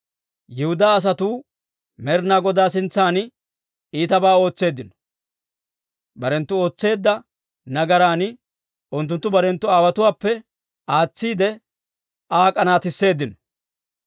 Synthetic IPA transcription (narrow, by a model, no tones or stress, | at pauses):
jɪhʊd̪aːɐs̬ɐt̪uː | mɛɾnaːɡɔd̪aːsɪnt͡sːaːn | iːt̪ɐbaːo̞ːt͡sːe̞ːd̪ːɪnɔ̥ | bɐɾɛnt̪ːʊo̞ːt͡sːe̞ːd̪ːɐ | nɐɡɐɾaːn | ʊnt̪ːʊnt̪ːʊbɐɾɛnt̪ːʊaːwɐt̪ʊwaːpːɛ | aːt͡sːiːd̪ɛ | ʔaːkʼɐnaːt̪ɪsːe̞ːd̪ːɪnɔ